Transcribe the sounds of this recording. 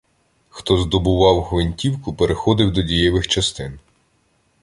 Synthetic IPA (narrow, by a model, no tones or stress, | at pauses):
xt̪ɔzd̪ɔbʊʋɑwxʋenʲtʲiwkʊpeɾexɔd̪ɪwd̪ɔdʲijɛʋɪxt͡ʃɐst̪ɪn